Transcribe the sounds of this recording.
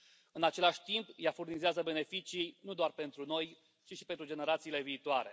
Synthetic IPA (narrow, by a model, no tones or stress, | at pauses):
ɨnat͡ʃe̞laʃʲt̪impjafurnizeazəbe̞ne̞fit͡ʃijnud̪oarpe̞nt̪ɾuno̞j | t͡ʃiʃipe̞nt̪ɾud͡ʒe̞ne̞ɾat̪siːle̞viːt̪oaɾe̞̰